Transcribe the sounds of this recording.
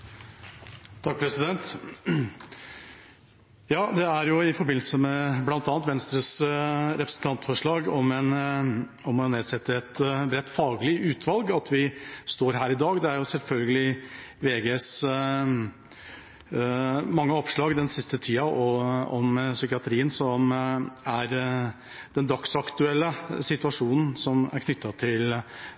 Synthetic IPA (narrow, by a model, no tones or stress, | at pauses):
t̪ʰɑk̚pʰɾɛsɪd̪ɛnt̪ | jɑːd̪ɛæɾjʊɪfɔɾbɪn̩səmɛblɑnt̪ɑːnt̪ʋɛnst̪ɾəsɾɛpɾəsənt̪ʰɑnt̪fɔʂɭɑːɡɔmɛn | ɔmɔneːd̪sɛt̪ːəɛt̪bɾɛt̪ːfɑːɡlɪʔʉːt̪ʰʋɑlɡɑt̪ʰʋɪst̪oːɾɦæːɾɪd̪ɑːɡd̪ɛæɾjʊsɛlfœlɡəlɪʋeːɡeːs | mɑŋːəɔpʂɭɑːɡd̪ɛnsɪst̪ət̪ʰiːɑʔɔɔmsʏkɪɑt̪ʰɾiːənsɔmæɾ | d̪ɛnd̪ɑksɑkt̪ʉɛlːəsɪt̪ʉʋɑʂuːnn̩sɔmæ̰ɾkʰnʏt̪ʰːɑt̪ʰɪl